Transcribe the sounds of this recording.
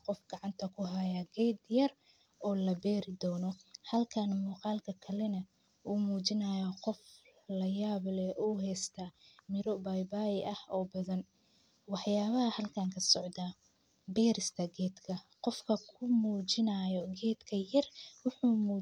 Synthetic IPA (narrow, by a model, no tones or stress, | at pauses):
qɔfɡɑʕɑnt̪ʰɐkʰʊɦɐjɐɡɛːd̪jɐr | ʔɔːlɐbɛːɾɪd̪ɔːnɔhɐlkʰɐnmuːqɑːlkʰɐkʰɐlɛnɐ | ʔuːmuːt͡ʃɪnɐjɐqɔflɐjaːβlɛʔuːɦɛst̪ʰamɪɾɔbajbaːjʔɐhɔːbɐðɐn | wɑħjaːβɐhɐhɐlkʰaːŋkʰɐsɔʕd̪aː | bɛːɾɪst̪ʰɐɡɛːd̪kʰɐqɔfkʰɐkʰʊmuːt͡ʃɪnɐːjɔɡɛːd̪kʰɐjɐrwʊħuːmuː